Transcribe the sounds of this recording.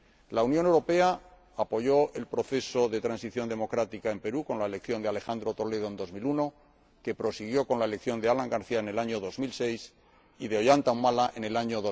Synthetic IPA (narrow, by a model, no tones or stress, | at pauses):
launjone̞wɾo̞pe̞a | apo̞ʝo̞e̞lpɾo̞θe̞so̞ðe̞t̪ɾansiθjo̞nd̪e̞mo̞kɾat̪ikae̞mpe̞ɾuko̞nlaele̞k̚θjo̞nd̪eale̞xand̪ɾo̞t̪o̞le̞ð̞o̞end̪o̞zmiluno̞ | ke̞pɾo̞siɣ̞jo̞ko̞nlae̞le̞kθjo̞nd̪e̞alaŋɡaɾθiae̞ne̞laɲo̞ðo̞zmilse̞js | iðeoʝant̪aumalaʔene̞laɲoðo